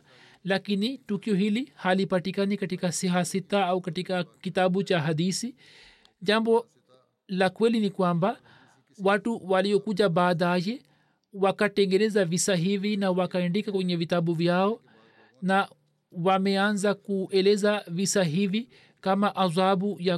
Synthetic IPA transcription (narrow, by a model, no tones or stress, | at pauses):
lakinitukiɔɦilihalipatikanikatikasiɦasitaaukatikakitaɓut͡ʃaɦadisi | d͡ʒambɔ | lakwɛlinikwamba | watuwaliɔkuʄabaːðajɛ | wakatɛŋɡɛnɛzavisaɦivinawakaɛndikakwɛɲɛvitaɓuvjaɔ | na | wamɛanzakuʔɛlɛzavisaɦivi | kamaʔazabuja